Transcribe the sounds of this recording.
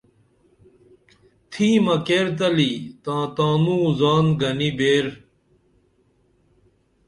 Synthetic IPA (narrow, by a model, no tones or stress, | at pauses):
t̪ʰiːmɐkeːɾt̪̬ɐlit̪ãːt̪ãːnũzaːnɡɐnibeːɾ